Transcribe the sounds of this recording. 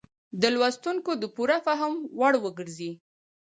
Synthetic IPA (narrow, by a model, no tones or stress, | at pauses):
d̪əlwast̪uŋkod̪əpuɾafaɦəmwaɽwəɡəɾzi